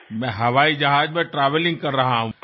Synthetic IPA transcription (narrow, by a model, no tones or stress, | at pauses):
mɛ̃ɦɐʋaːid͡ʒɐɦaːd͡ʒmẽʈɾaːʋəlɪ̃ŋɡ̚kɐɾːɐɦaɦũ